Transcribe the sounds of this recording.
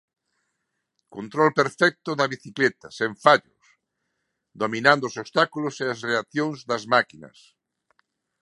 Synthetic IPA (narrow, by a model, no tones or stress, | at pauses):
kont̪ɾolpeɾfɛk̚t̪ʊðɐβiθiklet̪ɐseɱfaʎʊ̰s | d̪ominãnd̪oosost̪akuloseasreaθjõŋzðɐzmakinɐ̰s